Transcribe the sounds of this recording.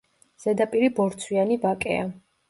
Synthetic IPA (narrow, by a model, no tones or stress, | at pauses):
z̥ɛd̪apʼiɾibɔɾt̪sʰwianibakʼɛ̰a